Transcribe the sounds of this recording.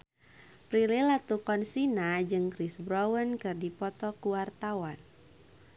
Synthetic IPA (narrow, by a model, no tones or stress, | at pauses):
pɾilɪlat̪ukɔnsinad͡ʒɨŋkɾisbɾɔwənkɨrdipɔt̪ɔkuwart̪awan